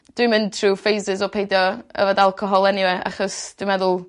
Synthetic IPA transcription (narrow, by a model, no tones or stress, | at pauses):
d̥wimɪntʰr̥uːfejsɪzɔpʰejdjɔə̰vadalˠkʰɔɦɔlˠɛniwɛa̰χɔsd̥wimɛðʊlˠ